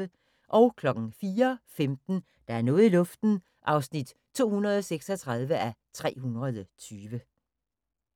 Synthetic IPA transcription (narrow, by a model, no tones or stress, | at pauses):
ə | ʔɒ̽ʊkʰlɒ̽ɡ̥n̩fiːɐfemd̥n̩ | d̥ɑ̈æɐnɔ̽ːð̩ˠilɔ̽fd̥n̩ | ʔɑ̈ʊsnid̥ | t͡sʰo̝̰ːhunɐð̞ˠɒ̽seɡ̥sɒt͡sʰʁɑ̈ð̞ˠʋəʔæt͡sʰʁɛ̰ːhunʁɐðˠət͡sʰyːʋə